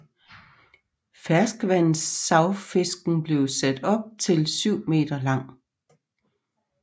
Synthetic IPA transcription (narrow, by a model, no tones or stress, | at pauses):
fæɐsɡ̥ʋæn̰n̩sːɑ̈ʊfe̝sɡ̥n̩b̥le̝ʊsæd̥ɒ̽b̥̚t͡sʰe̝lsyʊ̰me̝̰ːd̥ɐlɑ̈ŋ̰